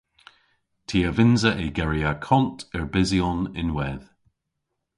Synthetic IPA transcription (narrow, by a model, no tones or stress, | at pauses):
tʰiːəvɪnzəʔɪɡɛɹiakʰɔntʰɪɹbɪziɔnɪnwɛð̥